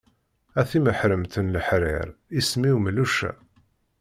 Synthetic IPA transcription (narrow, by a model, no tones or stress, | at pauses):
æθiməħɾəmt̪ənləħɾɪ̰ɾismiwmluʃæ̰